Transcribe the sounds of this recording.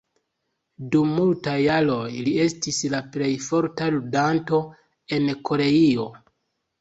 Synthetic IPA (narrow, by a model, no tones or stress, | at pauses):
dumːultajalo̞jlie̞stislaple̞jfo̞ɾtaludanto̞ | e̞nkʰo̞ɾe̞io̞